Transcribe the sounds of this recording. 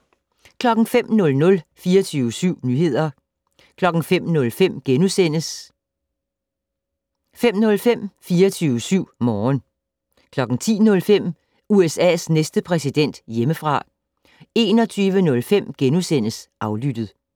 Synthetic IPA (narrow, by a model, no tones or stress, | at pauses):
kʰlɒ̽ɡ̥ŋ̩fem̰nɔ̽lnɔ̽lfiːɐt͡sʰyːʊəsyʊ̰nyːɦe̝ð̞̰ˠɐ | kʰlɒ̽ɡ̥n̩fem̰nɔ̽lfem̰ɡ̥enusenəs | fem̰nɔ̽lfem̰fiːɐt͡sʰyːʊəsyʊ̰mɒːn | kʰlɒ̽ɡ̥ŋ̩t͡sʰḭːnɔ̽lfem̰ | uesɛ̰ːsnesd̥əpʰʁɛsid̥en̰d̥jeməfʁɑ̈ | e̝ːnɒ̽t͡sʰyːʋənɔ̽lfem̰ɡ̥enusen̰əsʔɑ̈ʊlyd̥əð̩ˠ